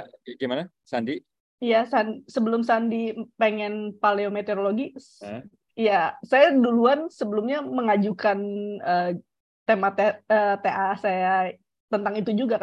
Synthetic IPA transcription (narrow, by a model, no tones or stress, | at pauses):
ɡimana | sandi | jasandisəbəlʊmsandipeŋɛnpaleomet̪eɾoloɡi | jasajaduluansəbəlʊmɲaməŋad͡ʒukanə | t̪emat̪eət̪eʔasaja | t̪ənt̪aŋit̪ud͡ʒuɡak